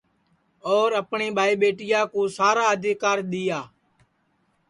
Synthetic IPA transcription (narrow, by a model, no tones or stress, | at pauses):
ɔːɾəpɳiːbʱaːiːɓeːʈɪjaːkõːsaːɾaːəd̪ʱikaːɾɗ̪ɪjaː